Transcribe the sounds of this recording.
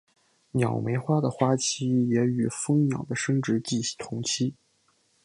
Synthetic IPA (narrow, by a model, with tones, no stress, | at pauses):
njɑ˨˩ʊme˧˥ɪxwa˥d̪ə˨xwa˥t͡ɕʰi˥˩jɛ˧˥y˨˩fɤ˥ŋnjɑ˨˩ʊd̪ə˦ʂɤ˥ŋʈ͡ʂɻ̩˧˥t͡ɕi̥˥˩˥t̪ʰʊ˧˥ŋt͡ɕʰi˥